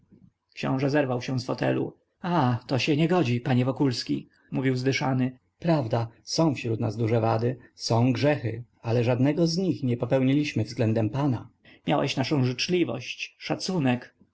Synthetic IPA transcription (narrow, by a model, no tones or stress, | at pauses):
kɕɔ̰̃w̃ʐɛzɛɾvawɕɛ̃sfɔt̪ɛ̰lṵ | at̪ɔɕɛɲɛɡɔd͡ʑipaɲɛvɔkulskʲḭ | muvʲiwzd̪ɘʂanɘ | pɾavd̪asɔ̃w̃fɕɾut̪nazd̪uʐɛvad̪ɘsɔ̃w̃ɡʐɛxɘ | alɛʐad̪nɛɡɔzɲixɲɛpɔpɛwɲilʲiɕmɘvzɡlɛnd̪ɛmpana | mʲjawɛ̰ɕnaʂɔ̃w̃ʐɘt͡ʂlʲivɔ̰ɕt͡ɕʂat̪sunɛk